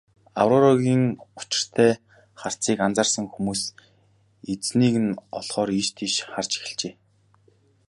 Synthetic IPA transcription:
a̰wrɔɾɔɣʲiːŋʊ̥t͡ɕɪ̥̆r̥t̪ʰæː | χar̥t͡siːkant͡saːrsə̆ŋxumuːs | et͡sniːɣɘ̆nɔɮχɔːɾiʃt̪ʰiʃχart͡ɕi̥xɪ̆ɮt͡ɕeː

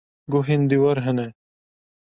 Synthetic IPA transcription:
ɡuɦind̪iwɐɾɦene

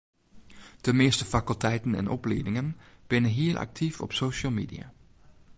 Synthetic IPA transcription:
d̥əmeːstəfakylˠtʰɛjtn̩ɛ̰nʔɔpleːdɪŋənb̥ɪnəɦiːlˠʔa̰k̚tʰifɔ̰psoːʃəlˠmḭːdia̰

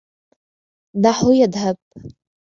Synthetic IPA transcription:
daħʊjadapʼ

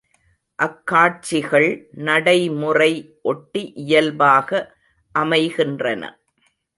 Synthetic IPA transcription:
ʔɐkːaːʈ̚t͡ʃɪɣɐɭnɐɽɐɪmʊrɐɪ | ʔɔʈːiʔɪjɐlbaːɣɐ | ʔɐmɐɪɣɪndrɐnɐ̰

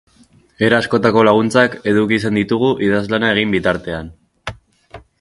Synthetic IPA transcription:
eɾaːsko̞t̪ako̞laɣ̞unt͡sake̞ðukis̬end̪it̪uɣ̞uʔiðazlanae̞ɣ̞imbit̪aɾt̪e̞an

